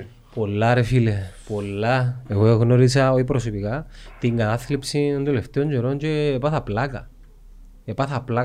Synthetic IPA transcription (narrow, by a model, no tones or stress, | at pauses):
polːaɾefilepolːaeweɣnoɾisaoipɾos̬opikat̪iŋɡat̪aθlipsind̪uleft̪eoɲd͡ʒeɾont͡ʃeːpaθaplaka̰ | epaθapla